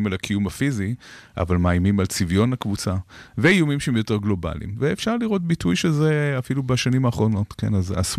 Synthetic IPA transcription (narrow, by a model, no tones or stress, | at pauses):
malakʰijumafiziʔa̰valmaːjmimalt͡sivjo̞nakvut͡saveijumimʃeemjo̞te̞ʁɡlo̞ba̰lḭmveːfʃaʁliʁo̞t̚bitujʃezeafilubaʃanimaːχʁo̞no̞tke̞̰naza̰s